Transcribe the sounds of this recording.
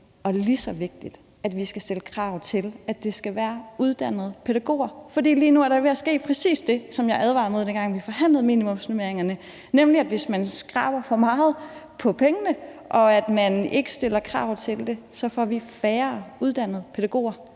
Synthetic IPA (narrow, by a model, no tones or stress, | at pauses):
ɒ̽lisɒ̽ʋe̝ɡ̥̚d̥id̥ | æd̥ʋisɡ̥æsd̥eləkʰʁɑ̈ʊ̰t͡sʰe̝læd̥e̝sɡ̥æʋæːɐuð̞ˠd̥æn̰ð̞̩ˠpʰe̝ɾ̥æɡ̥o̝̰ːɐfɒ̽d̥ḭːliːnuæɐɾɑʋe̝æsɡ̥e̝̰ːpʰʁɛsḭːsd̥e̝sɒ̽mjɑ̈ɪʔæð̞ˠʋɑ̈ð̩ˠmo̝ðˠd̥enɡ̥ɑ̈ŋ̰ʋifɒ̽ɦæn̰lð̩ˠmḭːnimɔ̽msnumeɐeŋɐnə | nemliæd̥ʋe̝smænsɡ̥ʁɑ̈ːb̥ɐfɒ̽mɑ̈ːð̩ˠ | pʰɒ̽pʰeŋənəʔɒ̽æd̥mæne̝ɡ̥əsd̥e̝lɐkʰʁɑ̰̈ʊ̰ðˠt͡sʰe̝ld̥e̝sɒ̽fɒʋifæːɐuð̞ˠd̥æn̰ð̩ˠpʰe̝ɾ̥æɡ̥o̝̰ːɐ